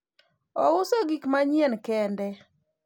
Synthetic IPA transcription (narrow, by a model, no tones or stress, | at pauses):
ɔwʊsoɡikmaɲjenkɛndɛ